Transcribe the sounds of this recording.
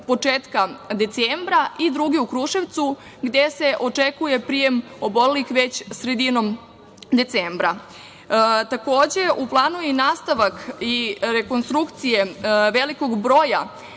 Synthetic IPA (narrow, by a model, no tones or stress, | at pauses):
po̞t͡ʂeːt̪kad̪e̞t̪seːmbɾaʔid̪ɾuɡiukɾuʃeʋt̪su | ɡd̪e̞se̞ʔo̞t͡ʂekuje̞pɾijemo̞bo̞lelixʋet͡ɕsɾe̞d̪ino̞m | d̪e̞t̪seːmbɾa | t̪ako̞ːd͡ʑe̞ʔuplˠaːnuinaːst̪aʋakiɾeko̞nst̪ɾukt̪sije̞ʋeliko̞ɡbɾo̞ːja